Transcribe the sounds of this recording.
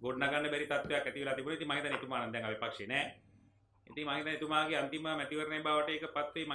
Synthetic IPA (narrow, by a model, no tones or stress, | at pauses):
ɡoɖnaɡanːəbɛɾit̪at̪ʋejakːɛt̪iʋelaːt̪ibunait̪iŋmaɦit̪anet̪umaːnɐnd̪ɛŋaʋipakʂeːnɛː | ḭt̪iŋmaŋit̪anet̪umaːkeant̪iməmɛt̪iʋəɾəneːbaːʋəʈəeːkəpat̪ʋem